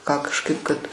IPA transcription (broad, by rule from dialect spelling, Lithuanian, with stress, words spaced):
kɑː kɐʃˈkɐɪp kɐt